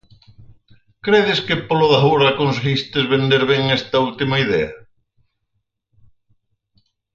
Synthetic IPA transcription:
kɾeðɪskepoloðɐɦuɾɐkons̬eɣist̪ezβend̪eɾβeŋest̪ɐult̪imɐiðɛɐ

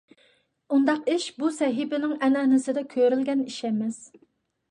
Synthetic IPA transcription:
und̪ɑqiʃbusɛɦɪbɪnɪŋɛnɛnɪsɪd̪ɛkʲʰøɾɪlɡʲɛniʃɛmɪz̥

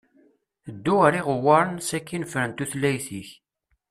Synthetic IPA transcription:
d̪ːuəɾiʁəwːɑɾˤənsækːinfɾənt̪uθlːæjθiç

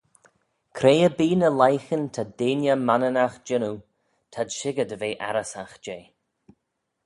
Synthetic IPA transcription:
kʰɾejəbiːnəlajxənt̪ʰadeːnjəmanənaxd͡ʒɪnu | t̪ʰadʃɪɡədveːʔa̰ɾəsaxd͡ʒeː

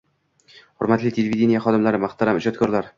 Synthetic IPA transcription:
χʊ̰ɾmat̪lɪt̪ʲʰelʲevid̪ʲenʲijaχɒd̪ɪmlaɾɪmaχt̪aɾamɪd͡ʒɒt̪kʰɒɾlaɾ

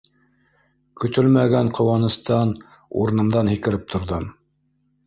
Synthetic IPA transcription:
kɵ̆t̪ɵlmæɡæɴqʰŏwɑnɤ̆st̪ɑn | ṵɾɤ̆nɤ̆md̪ɑnhikɘ̆ɾɘp̚t̪ʰŏɾðom

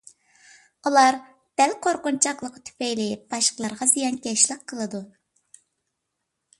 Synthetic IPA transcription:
ulˠɑɾ | d̪̥ɛlqʰoɾqʊnt͡ʃʰɑqlˠəqt̪ʰy̥pɛjlɪb̥ɑʃqəlˠɑɾʁɑzijɑnkʲɛʃlˠɪqʰːəlˠɨd̪u

